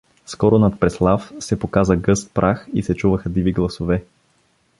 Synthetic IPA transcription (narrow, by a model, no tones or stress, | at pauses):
skɔɾʊnɐt̪̚pɾɛslˠafsɛpokazəɡɤst̪̚pɾʔaxisɛt͡ʃuvəxəd̪iviɡlˠɐsovɛ